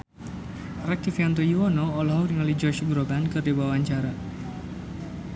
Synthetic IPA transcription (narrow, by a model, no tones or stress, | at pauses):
rak̚t̪ifiant̪̬ojiwɔnoːlɔɦɔniŋalid͡ʒɔʃuɡɾobankɨrdiwawaɲt͡ʃaɾa